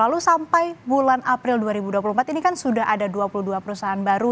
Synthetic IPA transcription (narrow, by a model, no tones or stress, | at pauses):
lalusampajbulanʔapɾɪlduaɾibuduapuluhmpat̪inikansudaɦadaduapuluduapəɾusaɦaanbaɾu